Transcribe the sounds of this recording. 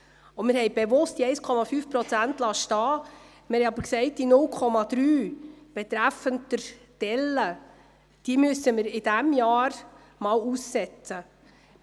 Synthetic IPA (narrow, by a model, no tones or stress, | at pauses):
ʊmɪɾhɛɪb̥evʊst̚diɛɪskʰɔmɑfyːfpɾɔt͡sæntlɑʃtɑː | mɪhɛjɑbəɾksɛɪt̚d̥inʊlkʰɔmɑd̪̥ɾyːb̥ɛt̪ɾæfəntəɾ | d̥ɛlːə | d̥iəmʉsəmɪɾɪd̥æmjɑːɾ | mɑːluːsːɛt͡sə